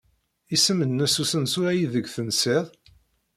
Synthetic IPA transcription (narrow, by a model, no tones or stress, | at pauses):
isəmənnæsusənsʊɾæjiðəɡθənseðˤ